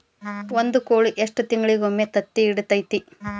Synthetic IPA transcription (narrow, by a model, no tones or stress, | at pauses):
ond̪ukoːɭiʔeʂʈɐt̪iŋɡɐɭiɡomːet̪ɐt̪ːiːɽut̪ɐjt̪i